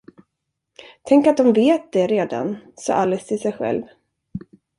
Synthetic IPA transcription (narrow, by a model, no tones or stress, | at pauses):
t̪ʰɛŋkat̪̚d̪ɔmveːt̪̚d̪ɛɾeːd̪a̰nsɑ̰ːʔalːɛst̪ʰɪlsɛjɧɛ̰lv